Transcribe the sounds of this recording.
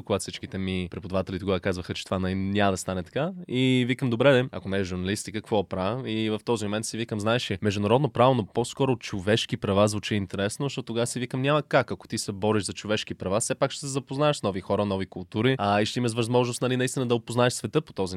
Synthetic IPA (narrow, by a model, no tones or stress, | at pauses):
okʊɡat̪fsit͡ʃkit̪ɛmipɾɛpʊd̪ɐvat̪ɛlʲit̪oɡavəkazvəxət͡ʃɛ̥t̪o̥vanɐnʲaməd̪ɐst̪anɛt̪ɐ̥kaivikəmd̪obɾɛɛɐ̰konɛʒʒuɾnɐlist̪ikəkkvɔpɾaivɐft̪ɔzimomɛnt̪sivikəmznaɛʃɛmɛʒd̪ʊnɐɾɔd̪nopɾavonoposkɔɾoːt̪t͡ʃovɛʃkipɾɐvazvut͡ʃiɛint̪ɛɾɛsnozɐʃtɔt̪ːt̪ːoɡasivikəmnʲaməkakɐko̥t̪isɛbɔɾiʃzɐt͡ʃovɛʃk̟ipɾɐvasɛpakʃt̪ɛsɛzɐpoznaɛʃsnɔvixɔɾənɔvikʊlˠt̪uɾiɐiʃt̪ɛimɐʃ̬vɐzmɔʒnost̪nɐlinɐist̪ʲinəd̪ɐopoznaɛʃsvɛt̪ɤpo̥t̪ɔzi